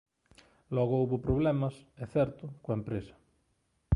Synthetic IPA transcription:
lɔɣouβopɾoβ̞lɛmasɛθɛɾt̪ʊkoaempɾesɐ̥

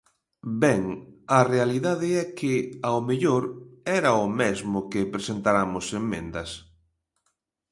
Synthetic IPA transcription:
bɛŋɐrealiðaðɪɛkʰɪaomeʎoɾɛɾɐʊmɛzmʊkɪpɾesent̪aɾamʊsemːḛ̃nd̪ɐs

